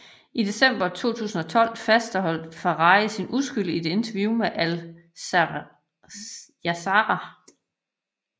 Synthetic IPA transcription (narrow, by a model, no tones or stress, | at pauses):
ʔid̥e̝sem̰b̥ɐt͡sʰo̝̰ːt͡sʰṵːsn̩ɒ̽t͡sʰɒ̽l̰fæsd̥ɦɒ̽l̰d̥fɑʁɑ̈ɪsinusɡ̥yl̰id̥e̝e̝nt͡sʰɐʋjumeʔæl | æsɑɑ